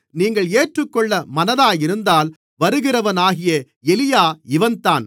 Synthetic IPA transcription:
niːŋɡɐɭeːʈrɯkːɔɭːɐmɐnɐðaːjɪɾɯnd̪aːl | ʋɐɾɯɣɪrɐʋɐnaːɣɪjɐ | ɛlɪjaːɪʋɐnt̪aːn

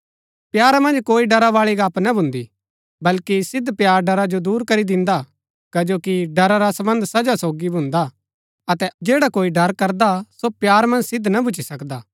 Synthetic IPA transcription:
pjaːɾamɐ̃nd͡ʒkoːiɖɐɾaʋaːɭiɡaːpnabʱʊ̃nd̪i | bɐlkisɪd̪pjaːɾɖɐɾad͡ʒod̪uːɾkɐɾid̪ɪ̃nd̪a | kɐd͡ʒoːkiɖɐɾaɾasɐbə̃nd̪sɐd͡ʒasoːɡibʱʊ̃nd̪a | ɐt̪ɛd͡ʒeːɽakoːiɖɐɾkɐɾd̪asopjaːɾmɐ̃nd͡ʒsɪd̪nɐbʱʊt͡ʃːisɐkd̪aː

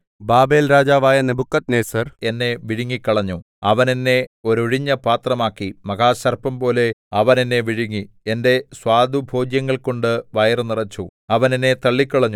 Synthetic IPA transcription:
baːbe̞ːlɾaːd͡ʑaːʋaːjɐnebʱukːɐt̪neːsɐre̞nːe̞ʋiɻuŋːikːɐɭɐɲːu | ɐʋɐnenːe̞o̞ɾoɻiɲːɐpaːt̪rɐmaːkːimɐɡaːɕɐrpɐmpo̞ːle̞ɐʋɐne̞nːe̞ʋiɻuŋːi | ende̞swaːd̪ʱubʱo̞ːd͡ʑjɐŋːɐɭko̞ɳɖɨʋɐjɐrnirɐt͡ɕːuɐʋɐnenːe̞t̪ɐɭːikʲːɐɭɐɲːu

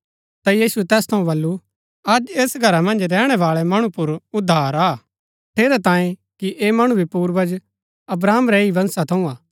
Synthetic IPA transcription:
t̪ajiːsuɛt̪ɛːst̪ʰɐũbɐlːu | ɐd͡ʒeːsɡʱɐɾamɐ̃nd͡ʒɾɛːɽ̃ɛʋaːɭɛmɐɽ̃ũpʊɾʊd̪ʱːaːɾaː | ʈ̪ʰeːɾɛt̪ãːẽkiʔeːmɐɽ̃ubʱipuːɾʋəd͡ʒ | ɐbɾaːmɾɛiʋɐ̃nsat̪ʰɐũaː

